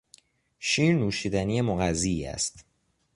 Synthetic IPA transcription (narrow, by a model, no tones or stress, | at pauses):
ʃiːɾnuːʃiːd̪ænije̞moɣæziæ̰st̪